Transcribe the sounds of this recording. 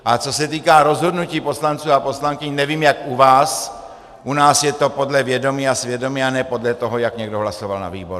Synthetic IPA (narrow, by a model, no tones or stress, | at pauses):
ʔat͡so̞sɛt̪iːkaːɾo̞zɦo̞dnuciːpo̞slant͡suːapo̞slaŋkɪɲnɛviːmjakʔuvaːs | ʔunaːsjɛt̪o̞po̞dlɛvjɛdo̞miːasvjɛdo̞miːanɛːpo̞dlɛt̪oɦojakɲɛɡdoɦlaso̞valna̰vḭːboɾu